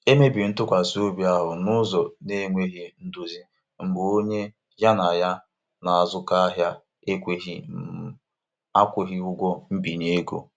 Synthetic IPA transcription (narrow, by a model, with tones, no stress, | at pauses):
e˦me˦bi˨n̩˦tʊ˦kʷa˨so˦bja˦ɦʊ˨nʊ˦zɔ˨ne˦ŋʷe˦ɦi˦n̩˦du˦zi˦ | m̩˨bʊ˨o˦ɲe˦ | ɦja˦na˨ja˦ | na˨a˨zʊ˦ka˦a˦ɦja˦ | e˦kʷe˨ɦi˦m̩˨ | a˦kʷʊ˨ɦɪ˦ʊ˦ɡʷɔ˦m̩˦bi˨ɲe˦ɡo̰˨